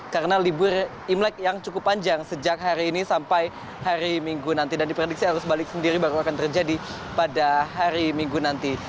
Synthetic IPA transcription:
kaɾənalibʊr | imlɛk̚jaŋt͡ʃukʊpːaɲd͡ʒaŋsəd͡ʒak̚ɦaɾiːnisampaj | haɾimiŋɡunant̪idandipɾedik̚siɦaɾʊsbalɪk̚səndiɾibaɾuakant̪ərd͡ʒadi | padaɦaɾimiŋɡunant̪i

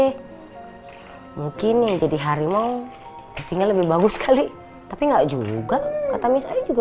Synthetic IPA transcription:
muŋkɪnːid͡ʒadiɦaɾima | əst̪iŋaləbɪhbaɡʊskʰali | t̪apiŋɡaʔd͡ʒṵɡakat̪amisa̰id͡ʒuɡa

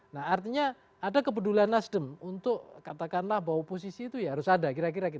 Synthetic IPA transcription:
nahart̪iɲa | adakəpədulanːasdəmunt̪ʊk̚kat̪akanlahbawapos̬isiːt̪ujaɦaɾʊsadakiɾak̬iɾakit

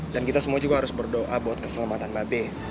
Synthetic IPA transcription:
dankit̪asəmuad͡ʒuɡaɦaɾʊsbərdoʔabot̪̚kə̥səlamat̪anbabɛ

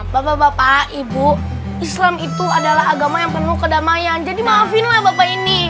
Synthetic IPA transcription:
bapabapaʔibu | islamit̪uadalaɦaɡamajaŋpərnukədamajand͡ʒadimaːfɪnlahbapaini

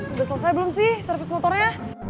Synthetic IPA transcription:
basalsajabəlʊmsɪhsərfɪsmɔt̪ɔrɲa

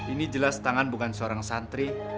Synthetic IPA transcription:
inid͡ʒəlast̪aŋanbukansəoɾaŋsant̪ɾi

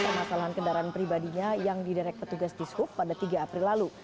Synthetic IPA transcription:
pərmasalaɦankəndaɾaanpɾibadiɲajaŋdidaɾɛk̚pət̪uɡast̪ishʊpːadat̪iɡaːpɾilːalu

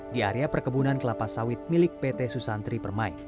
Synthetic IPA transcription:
diaɾiapərkəbunankəlapasawɪt̪̚milɪk̚pɛt̪ɛsusant̪ɾipərmaḭ

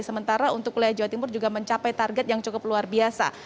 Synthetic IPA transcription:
səmənt̪aɾaunt̪ʊkːulajad͡ʒawat̪imʊrd͡ʒuɡaməɲt͡ʃapajt̪arɡɛt̪̚jaŋt͡ʃukʊp̚luarbiasa̰

